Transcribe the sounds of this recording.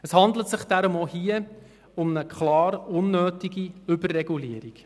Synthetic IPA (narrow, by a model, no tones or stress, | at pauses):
əshɑndlətsɪχd̥æɾʊmohiə | ʊmnəkʰχlɑːɾʊnːøːtiɡiʏbərːɛɡuliəɾik